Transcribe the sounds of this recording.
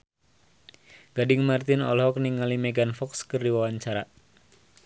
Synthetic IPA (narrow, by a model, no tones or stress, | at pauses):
ɡadɪŋmart̪ɪnɔ̰lɦɔk̚niŋalimɛɡanfɔkskɨrdiwawaɲt͡ʃaɾa